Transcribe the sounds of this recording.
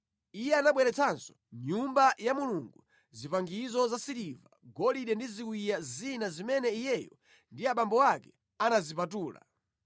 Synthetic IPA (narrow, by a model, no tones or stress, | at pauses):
ijɛanaɓwɛɾɛt͡sʰansɔ̥ | ɲumbajamuluŋɡu | zipaŋɡizɔzasiɾivaɡɔliɗɛndizikuijazinazimɛnɛijɛjɔ | ndiaɓambɔwakɛ | anazipatuːla̰